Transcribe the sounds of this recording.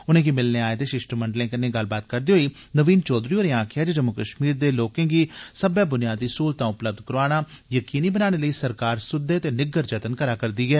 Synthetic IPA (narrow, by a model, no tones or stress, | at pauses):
ʊnẽːɡiːmɪlneːaːeːt̪eːʃɪsʈəməɳɖlẽːkənẽːɡəlbaːt̪̚kəɾd̪eːɦoːiː | nəʋiːnt͡ʃɔːd̪ɾiːoːɾẽːãːkʰɪaːd͡ʒeːd͡ʒəmukəʃmiːɾd̪eːloːkẽːɡiːsəbɛːbʊnɪjaːd̪iːsuːlt̪ãːʊpləb̚d̪kəɾaːɽ̃aː | jəkiːniːbənaːɽ̃eːləiːsəɾkaːɾsʊd̪eːt̪eːnɪɡəɾd͡ʒət̪ənkəɾaːkəɾd̪iːɡɛː